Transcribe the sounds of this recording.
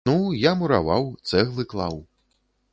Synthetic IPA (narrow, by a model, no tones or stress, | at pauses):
ujamuɾa̰va̰wt̪sɛɣlˠɨklˠa̰w